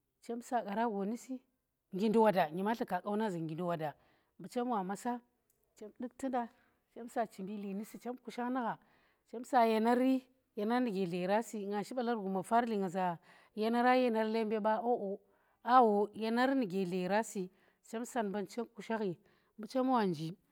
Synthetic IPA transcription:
t͡ʃe˦msa˨ka˨ɾa˦ɡo˨ni˦si˦ | ŋɡi˨ndu˦wa˨da˨ɲi˨ma˦ɬa˨ka˨kʼa˦wna˦za˨ŋɡi˨ndu˨wa˨da˨ | mbu˨t͡ʃa˦m˦wa˨ma˨sa˦ | t͡ʃe˦mdi˦k̚ti˦da˦ | t͡ʃe˦msa˨t͡ʃi˨mbi˦li˨ni˦si˦t͡ʃe˦mku˨ʃa˦ŋ˦na˦ɣa˨ | t͡ʃe˦msa˨ja˨na˦ɾi˦ | ja˨na˦ɾni˨ɡe˨ɮe˨ɾa˦si˨ŋa˨ʃi˦ɓa˦la˦ɾɡu˨ma˨fa˦ɾli˨ŋa˨za˨ | ja˦na˦ɾa˦ja˦na˦ɾle˦mbe˦ba˦ʔo˦ʔo˨ | a˦wo˨ja˨na˦ɾni˨ɡe˨le˨ɾa˦si˨ | t͡ʃe˦msa˨nba˦nt͡ʃe˦mku˨ʃa˦ɣi˨ | mbu˨t͡ʃa˦m˦wa˨nd͡ʒi˨

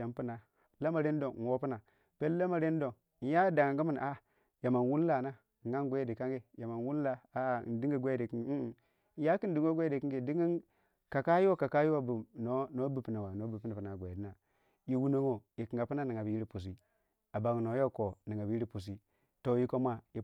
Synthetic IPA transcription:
a˨m˦pu˦na˨ | la˦ma˨ɾe˦n˦do˨ŋ˨wo˦pi˦na˨ | pe˦lla˦ma˨ɾe˦n˦do˨ŋ̩˨˦ | ja˦da˨ŋ˨ŋ˦ɡu˦mi˦n˨a˨ | ja˨ma˨n˨wu˦n˦la˨na˦˨ | ɡa˦n˦ɡʷe˦jdi˨ka˦ŋɡe˨ja˨ma˨nwu˦n˦la˦a̰˦˨˦di˦ɡi˦ɡʷe˦di˨ki˦ŋ˦˨˦ | ja˦ki˦n˦di˦ŋo˦ɡʷe˦de˨ki˦ŋɡe˨di˦ŋi˦n | ka˨ka˦ju˦o˦ka˨ka˦ju˦wa˦˨bu˨no˨˦no˨˦bu˨pi˨na˨wa˨no˨˦bu˨pi˦ni˨pu˨na˨ɡʷe˨di˦na˨ | ji˨wu˦no˦ŋo˨i˨ki˨ŋɡa˨pi˦na˦ni˨ŋa˨bi˨ji˦ɾi˦pu˨s̬i˦ | a˨ba˨ŋ˨no˨˦jo˦ko˨ni˨ŋa˨bi˦ɾi˦pu˨s̬i˦ | to˨ji˦ko˦ma˦i˨

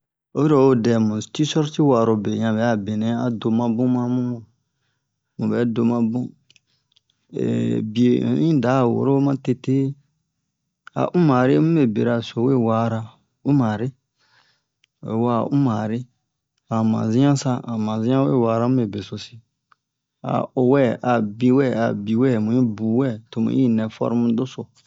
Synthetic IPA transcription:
o˦i˦ɾo˨o˦dɛ˨mũ˨ti˦sɔ˦ɾti˦wa˨ɾo˨be˨ɲã˨bɛ˨˦a˦˨be˨nɛ̃˨˦a˨do˨mã˦bũ˦mã˦mũ˦mũ˨ | mũ˨bɛ˨˦do˨mã˦bũ˦ | ḛ˨bi˨ḛ̃˨˦ĩ˦˨da˨˦˨wo̰˨ɾo˦mã˦te˦te˦ | a̰˨ʔũ˦ma˨ɾi˦mũ˦be˨be˨ɾa˨so˨we˦˨waː˦ɾa˧ | u˦mã˨ɾi˦ | ḛ˨wa̰˦˨ʔũ˦maː˨ɾi˦ | a˨mã̰˨zĩ˦ã˦sa˦a˨mã˨zĩ˦ã˦we˦˨waː˨ɾa˦mũ˦e˨be˨so˨si˨ | a̰˨o˨wɛ˦˨ʔa˨bĩ˦wɛ˦˨a̰˨bi˨wɛ˦˨mũ˨ĩ˦buː˨wɛ˦˨to˨mṵ̃˨˦i˦˨nɛ˨fɔ̰˦ɾmũ˦do˦so˨

